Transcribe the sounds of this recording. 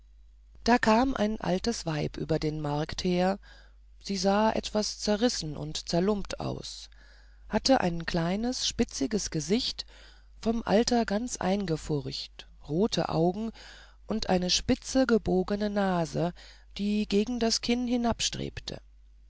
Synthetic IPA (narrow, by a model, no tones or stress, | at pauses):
d̥aːkʰaːmʔa̰ɪnʔa̰ltəsv̥aɪpʔy̰ːbɐdeːnmaɐktheːɐ | z̥iːzaːʔɛ̰tv̥ast͡sɛɐʁɪsn̩ʔʊ̰ntt͡sɛɐlʊmptʰa̰ʊs | hatəʔa̰ɪnkʰl̥aɪnəsʃpɪt͡sɪɡəsɡ̥əzɪçt | fɔmʔa̰ltɐɡant͡sʔa̰ɪnɡəfʊʁçt | ʁoːtʰə̰ʔa̰ʊɡŋ̩ | ʔʊntʔa̰ɪnəʃpɪt͡səɡəboːɡənənaːzə | d̥iːɡeːɡŋ̩daskʰɪnhɪnapʃtʁ̥ḛːptʰə̰